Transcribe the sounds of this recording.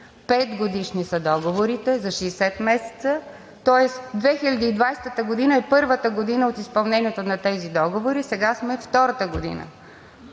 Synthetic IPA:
pɛt̪ɡod̪iʃnisɐd̪ɔɡovoɾit̪ɛzɐʃɛɛsɛt̪mɛsɛ̥t̪sə | t̪ɔɛsd̪vɛxilʲɐd̪iːd̪vajst̪ət̪əɡod̪inəɛpɤɾvət̪əɡod̪inəot̪ispɐlˠnɛniɛt̪onɐt̪ɛzid̪ɔɡovoɾisɛɡasmɛft̪ɔɾət̪əɡod̪ḭnə̰

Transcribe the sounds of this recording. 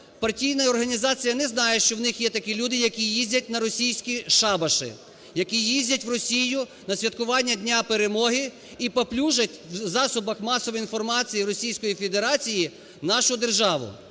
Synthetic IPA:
pɐrtʲijnɐɔrɦɐnʲizɑt͡sʲijɐnɛznɑjɛʃt͡ʃɔwnɪxjɛt̪ɐkʲilʲud̪ɪjɐkʲijizʲdʲɐt̚ʲnɐɾɔsʲijsʲkʲiʃɑbɐʃɪ̰ | jɐkʲijizʲdʲɐtʲʋrɔsʲijʊnɐsʲʋʲɐt̪̚kʊʋɑnʲːɐdʲnʲapeɾemɔɦɪ | ipɐplʲuʒɐtʲwzɑsʊbɐxmɑsɔʋɔinfɔrmɑt͡sʲijiɾɔsʲijsʲkɔjifʲe̞d̪eɾɑt͡sʲiji | nɑʃʊd̪erʒɑʋʊ̰

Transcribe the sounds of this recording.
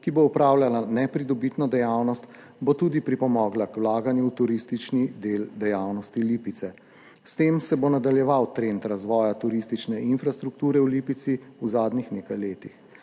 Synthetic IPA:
kiboɔpɾaːwlʲjalanɛpɾid̪ɔbit̪nɔd̪ɛjawnɔst̪ | bot̪uːd̪ipɾipɔmɔːɡlakwlaːɡanjut̪uɾist̪it͡ʃnid̪eːld̪ɛjawnɔst̪iliːpit̪sɛ | st̪eːmsɛbonad̪aljɛʋawt̪ɾent̪ɾazʋɔːjat̪uɾist̪it͡ʃnɛʔinfɾast̪ɾuk̚t̪uːɾɛwlipit̪siuzaːd̪nixneːkajleːt̪ix

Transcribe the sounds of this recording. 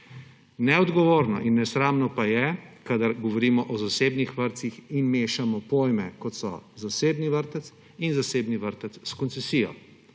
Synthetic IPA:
nɛɔd̪ɡɔʋoːɾnɔ̰ʔinːɛsɾaːmnɔpajɛkad̪aɾɡɔʋɔɾiːmɔʔɔzaseːbnixʋəɾt̪sixinmeːʃamɔpoːjmɛkɔt̪sɔ̰zaseːbniʋəɾt̪ət̪s | inzaseːbniʋəɾt̪ət̪sskɔnt̪sɛsiːjɔ̰

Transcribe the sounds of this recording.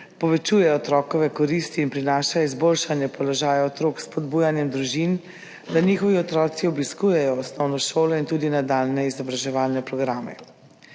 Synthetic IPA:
pɔʋɛt͡ʃuːjɛɔt̪ɾɔːkɔʋɛkɔɾist̪iːnpɾinaʃajɔizboːlʃanjɛpɔlɔʒaːjaɔt̪ɾoːkspɔd̪buːjanjɛmd̪ɾuʒin | d̪aniːxɔʋiɔt̪ɾɔːt̪siɔbiskuːjɛjɔːsnɔwnɔʃoːlɔint̪uːd̪inad̪alnɛizɔbɾaʒɛʋaːlnɛpɾɔɡɾamɛ̰

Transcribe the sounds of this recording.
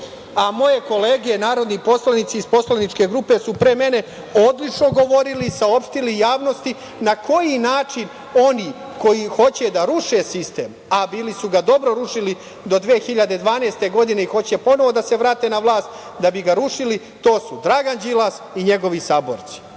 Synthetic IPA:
amo̞je̞ko̞le̞ːɡienaːɾo̞d̪nipo̞slˠanit̪siːspo̞slanit͡ʃke̞ɡɾupe̞supɾeme̞ne̞ | o̞d̪lit͡ʂno̞ɡo̞ʋo̞ɾilisao̞pʃt̪ilijaːʋno̞st̪i | nako̞jinaːt͡ʂin | o̞niː | ko̞jixo̞t͡ɕe̞d̪aɾuʃe̞sist̪e̞̰ːm | abiːlisuɡad̪o̞bɾoɾuʃili | d̪o̞d̪ʋeːxiʎad̪e̞d̪ʋaːneːst̪e̞ɡo̞d̪ine̞ixo̞t͡ɕe̞po̞no̞ʋo̞d̪ase̞ʋɾaːt̪e̞naʋlˠaːst̪ | d̪abiɡaɾuʃili | t̪o̞ːsud̪ɾaɡand͡ʑilˠasiɲe̞ɡo̞ʋisaːbo̞̰ɾt̪si̥

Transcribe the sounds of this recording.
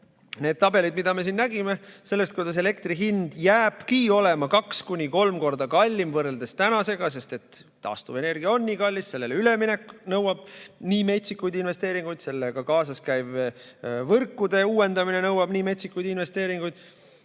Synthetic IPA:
ne̞ːd̪̥̚t̪ɑbe̞lid̪̚mid̪̥ɑme̞sinːnæɡ̥ime̞se̞lːest̪̚kujd̪̥ɑs̬e̞le̞kt̪riɦind̪̥jæːb̥kio̞le̞mɑkɑkskunʲiko̞lmko̞rd̪̥ɑkɑlʲːimvɤrːe̞ld̪̥e̞st̪ænɑse̞ɡ̥ɑs̬e̞st̪e̞t̪ː | ɑ̰ːst̪uve̞ne̞rɡ̥iɑo̞nːiːkɑlʲːisse̞lːelyle̞mine̞kːnɤwɑb̥̚niːme̞t̪sikːˑujd̪̥inve̞st̪e̞ːɾiŋɡ̥ujd̪̥se̞lːeɡ̥ɑkɑːsɑskæjv | vɤrkːud̪̥e̞uːwe̞nd̪̥ɑmine̞nɤwɑb̥niːme̞t̪sikːujd̪̥inve̞st̪e̞ːɾiŋɡujd̪̥

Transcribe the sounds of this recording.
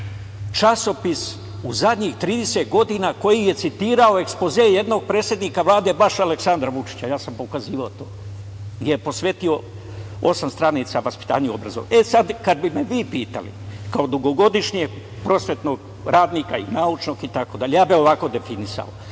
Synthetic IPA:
t͡ʃaso̞pis | uzad̪ɲixt̪ɾiːd̪eset̪ɡo̞d̪inako̞jije̞t̪sit̪iːɾao̞e̞kspo̞zeje̞d̪no̞ɡ̚pɾeːsje̞d̪niːkaʋlˠaːd̪e̞baʃaleksand̪ɾaʋut͡ʃi̥t͡ɕajaːsampokaziːʋaot̪oː | ɡjejepo̞sʋet̪io̞ | o̞samst̪ɾanit̪saʋaspi̥t̪a̰ːɲuobɾa̰zo̰ʋ̰esad̪kad̪bime̞ʋiːpiːt̪a̰lḭkaod̪uɡo̞ɡo̞d̪iʃɲieɡ | pɾo̞sʋet̪noɡ | ɾaːd̪nikaḭnaut͡ʃnoɡit̪ako̞d̪aʎejaːbio̞ʋako̞d̪e̞finisa̰o̰

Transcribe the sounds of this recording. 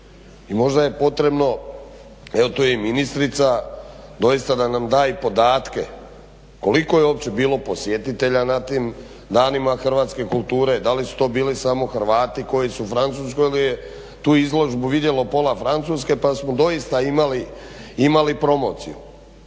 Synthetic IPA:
imo̞ʒd̪aje̞po̞t̪ɾe̞bno̞ | e̞ʋo̞t̪ojeminist̪ɾit̪sad̪o̞jist̪ad̪anamd̪aːjipo̞d̪aːt̪ke̞ | ko̞liko̞jeo̞ːpt͡ɕe̞biːlˠo̞po̞sjet̪it̪e̞ʎanat̪iːm | d̪aːnimaxr̩ʋaːt̪ske̞kulˠt̪uːɾe̞d̪alisu̥t̪o̞ːbiːlisamo̞xr̩ʋaːt̪iko̞jisufɾant̪suːs̬kojilije | t̪uːizlo̞ʒbuʋid̪je̞lopo̞lafɾant̪suːske̞pasmod̪o̞ist̪aimali | imalipɾo̞mo̞̰ːt̪sḭju

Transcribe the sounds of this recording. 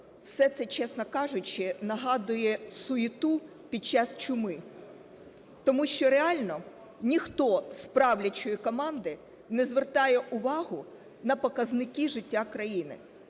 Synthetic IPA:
wsɛt̪sɛt͡ʃɛsnɔkɑʒʊt͡ʃɪnɐɦɑd̪ʊjɛsʊit̪u | pʲid̪̚t͡ʃɑst͡ʃʊmɪ | t̪ɔmuʃt͡ʃɔɾeɑlʲnɔ | nʲixt̪ɔspɾɑwlʲɐt͡ʃɔjikɔmɑnd̪ɪ | nɛzʋert̪ɑjɛʔʊʋɑɦʊ | nɐpɔkɐznɪkʲiʒɪtʲːakɾɐjinɪ̰

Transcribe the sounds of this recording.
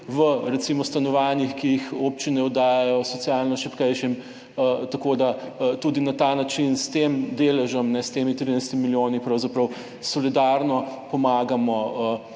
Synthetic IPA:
ʋəɾɛt̪simɔst̪anɔʋanjixkijixopt͡ʃinɛɔd̪aːjajɔsɔt̪sijalnɔʃɛpkɛjʃim | t̪ɐkod̪at̪uːd̪inat̪aːnat͡ʃinst̪emd̪eːlɛʒəmnɛst̪emit̪ɾiːnajst̪imiljoːnipɾɐwzapɾɐw | sɔlid̪aɾnɔpɔmaːɡamɔə

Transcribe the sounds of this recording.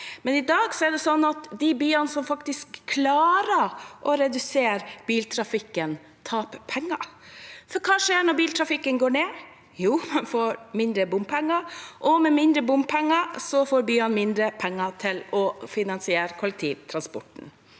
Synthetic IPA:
mɛnɪd̪ɑːɡsɔɛɖ̪ɛsɔnːɑt̪d̪ɪbyːɑnsɔmfɑkt̪ɪskʰːlɑːɾəɾʔɔɾɛd̪ʉseːɾb̥iːlt̪ʰɾɑfɪkːən | t̪ʰɑːppʰɛŋːɑfɔɾkʰɑːʂeːɳɔɾbiːlt̪ʰɾɑfɪkːənɡoːɳeː | juːmɛnfoːɾmɪnd̪ɾəbʊmpʰɛŋːɑʔɔmɛmɪnd̪ɾəbʊmpʰɛŋːɑsɔfoːɾbyːɑnmɪnd̪ɾəpʰɛŋːɑt̪ʰɪlɔfɪnɑnsɪeːɾkʰʊlɛk̚t̪ʰḭːʋt̪ʰɾɑnspɔʈn̩

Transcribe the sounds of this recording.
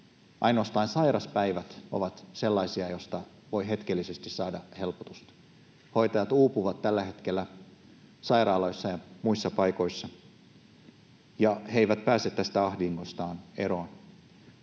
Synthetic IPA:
ʔɑ̰jnoːst̪ɑinsɑjɾɑspæjʋæt̪o̞̰ʋɑt̪se̞lːɑisiɑjo̞st̪ɑ | ʋo̞jɦe̞t̪k̟elːise̞st̪issɑːdɑhe̞lpot̪ust̪ | ho̞jt̪ɑjɑt̪uːpuʋɑt̪tælːæɦe̞t̪kelːæ | sɑiɾɑːlɑjsːɑjɑmuisːɑpɑjko̞isːɑ | jɑheiʋæt̪̚pæːsˑet̪t̪ːæst̪æɑhdiŋɡ̥ost̪ɑːnḛɾoɑn

